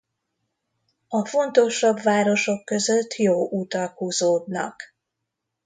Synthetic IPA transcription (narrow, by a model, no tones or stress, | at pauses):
ɒfo̞nt̪o̞ʃɒbvaːɾo̞ʃo̞kːø̞zøt̪ːjoːʔut̪ɒkhuːzoːd̪nɒ̰k